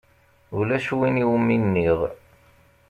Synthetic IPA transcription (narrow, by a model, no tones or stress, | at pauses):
ulæʃwiniwminːiʁ